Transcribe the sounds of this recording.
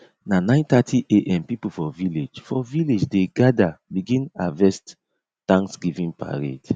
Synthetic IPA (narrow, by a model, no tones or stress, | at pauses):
nanãɪ̃ntatʰiʔeʔɛ̃mpipufɔviled͡ʒfɔviled͡ʒdeɡadabiɡĩnavɛst | tãŋksɡivĩnpa̰ɹḛd̥